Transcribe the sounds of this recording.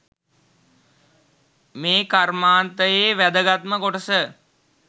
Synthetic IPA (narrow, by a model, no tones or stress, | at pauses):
meːkarmaːnt̪əjeːʋæd̪əɡat̪məkoʈəsə